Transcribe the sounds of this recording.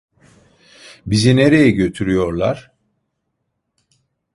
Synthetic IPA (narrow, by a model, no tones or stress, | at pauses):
bizine̞ɾe̞jɛɟø̞t̪ʰyɾyjo̞ɾlˠaɾ̥